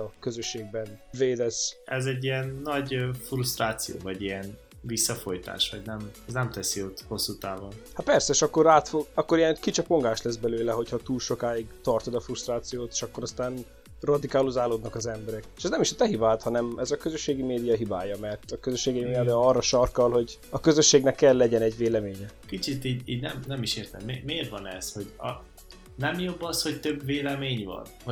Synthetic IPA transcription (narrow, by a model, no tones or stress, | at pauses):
ɒkøzøʃːeːɡ̚bɛnveːd̪ɛsɛzɛɟːijɛnːɒɟfrust̪raːt̪sijo̰ːvɒɟijɛn | visːɒfo̞jt̪a̰ːʃʋɒɟnɛmɛznɛmt̪ɛsiot̪ho̞sːut̪aːvonhat̪̚pɛrsɛʃɒkːo̞ɾaːt̪foɡɒkːoɾijɛnkit͡ʃɛpo̞ŋɡaːʃlɛzbɛløːlɛɦo̞chɒt̪uːlʃo̞kaːiɡt̪ɒrt̪od̪ɒfrust̪raːt̪sijoːt̪e̥ːʃɒkːo̞ɾɒst̪aːn | rɒd̪ikaːluzaːloːd̪nɒkɒzɛmbɛɾɛkeʃɛznɛmiʃt̪ɛɦibaːt̪hɒnɛmɛzɒkøzøʃːeːɡimeːd̪ijɒɦibaːjɒmɛrt̪ɒkøzøʃːeːɡimeːjɒd̪ijɒrːɒʃɒrkɒlɦo̞ɟɒkø̞zøʃːeːɡnɛkːɛlːɛɟɛnɛɟʋeːlɛmeːɲɛkit͡ʃit̪iːɟiːɟnɛmnɛmiʃeːrt̪ɛ̰mmeːmeːrt̪ʋɒnɛ̰sho̞ɟɒ̰ | nɛmjo̞bːɒsho̞ct̪øbveːlɛmeːɲvɒ̰n